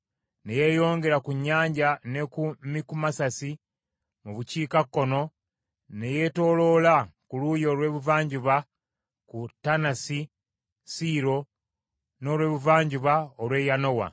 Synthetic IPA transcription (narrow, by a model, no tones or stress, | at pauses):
ne̞je̞jo̞ːŋɡe̞ɾakuɲːaːɲɟane̞kumikumasasi | muβuciːkakːo̞no̞ | ne̞je̞to̞ːlo̞lakuluːjo̞lwe̞ːβuvaːɲɟuβa | kutanasi | siːɾo̞ | no̞ːlwe̞ːβuvaːɲɟuβaolwe̞ːjano̞wa̰